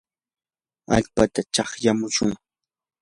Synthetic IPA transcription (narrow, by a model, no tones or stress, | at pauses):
a̰ʎpat̪at͡ʃɑχjamʊʃʊŋ